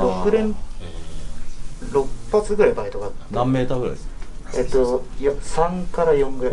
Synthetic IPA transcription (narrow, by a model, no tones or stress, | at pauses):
jõŋɡɯ̟ɾẽn | ɾo̞kɯ̥pːat͡sɨɡɯ̟ɾaibait̪o̞kat̪ːãmːeːt̪aːɡɯɾa̰jet̪ːojosãŋkaɾajõŋɡɯɾẽ